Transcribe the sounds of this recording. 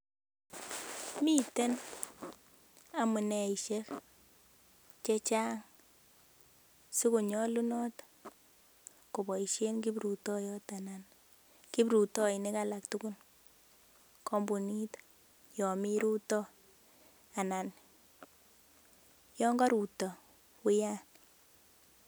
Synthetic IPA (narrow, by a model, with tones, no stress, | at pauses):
mi˦te˦n | a˨mu˨nɛ˨i˨ʃe˦k | t͡ʃe˦t͡ʃa˦ŋ | si˦ku˨ɲɔ˦lu˦nɔ˦t | ko˨bɔ˨i˨ʃe˦nki˦bɾu˨tɔ˦jɔ˦ta˨na˨n | ki˦bɾu˨tɔ˦i˨nɪ˦ka˦la˨k̚tuku˦n | kʰɔ˦mbu˨ni˦t | jɔ˨mi˦ɾu˦tɔ˦ | a˨na˨n | jɔ˦ŋɡɔ˦ɾu˨tɔ˨ | wʊ˦ja˦n